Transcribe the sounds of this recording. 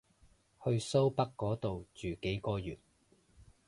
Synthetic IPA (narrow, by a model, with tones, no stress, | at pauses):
hɵ˧ɥso˥wpɐ˥kːɔː˨˥t̪o˨wt͡ʃyː˨ke˨˥jkɔː˧jyː˨˩t̚